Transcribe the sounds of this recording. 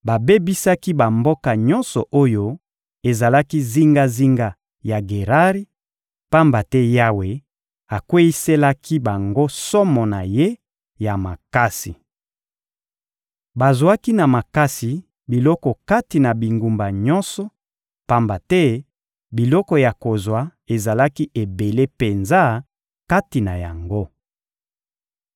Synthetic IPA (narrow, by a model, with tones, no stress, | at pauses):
ba˨be˦bi˦sa˦ki˦ba˨mbo˦ka˨ɲɔ̃˦nsɔ˨ʔo˦jo˦ | e˨za˨la˦ki˦zi˦ŋɡa˦zi˦ŋɡa˦ | ja˨ɡe˨ʁa˦ʁi˦ | pa˦mba˨tɛ˦ja˦we˨ | a˨kwe˦i˦se˦la˦kʰi˦ba˨ŋɡo˦sɔ˦mɔ˨na˨je˦ | ja˨ma˨ka˦sḭ˨ | ba˨zwa˦ki˦na˨ma˨ka˦si˨ | bi˨lɔ˦kɔ˨ka˦ti˨na˨bi˨ŋɡu˨mba˨ɲɔ˦nsɔ˦ | pa˦mba˨tɛ˦ | bi˨lɔ˦kɔ˨ja˨ko˨zwa˨˦e˨za˨la˦ki˦ʔe˨be˨le˦pe˨nza˦ | ka˦ti˨na˨ja˨ŋɡo˦